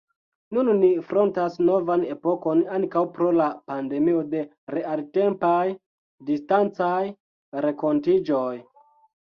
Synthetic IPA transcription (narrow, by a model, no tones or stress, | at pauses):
nunːifɾo̞ntasno̞vane̞po̞ko̞naŋkawpɾo̞lapande̞mio̞de̞ | ɾe̞alte̞mpaj | distant͡saj | ɾeko̞ntid͡ʒo̞j